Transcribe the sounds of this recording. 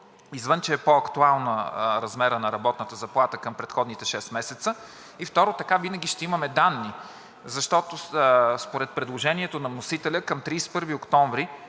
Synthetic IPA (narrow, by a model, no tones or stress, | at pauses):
izvənt͡ʃɛɛpoɐkt̪ualˠnəɾɐzmɛɾənɐɾɐbɔt̪nət̪əzɐplˠat̪əkɐmpɾɛt̪xɔd̪nit̪ɛʃɛst̪mɛsɛt̪sə | ift̪ɔɾot̪ɐkavinɐɡʲiʃt̪ɛimɐmɛd̪anːi | zɐʃt̪ɔt̪ospoɾɛt̪̚pɾɛd̪lˠoʒɛniɛt̪onɐmnosit̪ɛlʲəkɐmt̪ɾispɤɾviokt̪ɔɱvɾi